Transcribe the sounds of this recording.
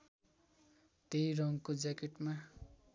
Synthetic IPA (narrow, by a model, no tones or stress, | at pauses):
t̪ejɾʌŋkod͡zakeʈma